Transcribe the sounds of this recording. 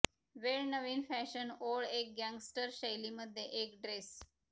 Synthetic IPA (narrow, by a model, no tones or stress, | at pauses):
ʋelnəʋĩnfɛʃənoːɖeːk̚ɡɛ̃ŋɡsʈəɾʃeɪliməd̪eʔeːkɖɾes